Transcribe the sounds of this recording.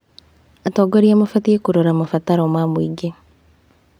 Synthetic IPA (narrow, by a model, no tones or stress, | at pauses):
atɔɡoɾiamofatiekuɾoɾamafataɾɔmamwiːɡe